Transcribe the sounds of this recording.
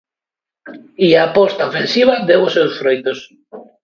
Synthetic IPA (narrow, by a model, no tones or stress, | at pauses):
iaːpɔst̪aofẽnsiβad̪ewʊsewsfɾojt̪os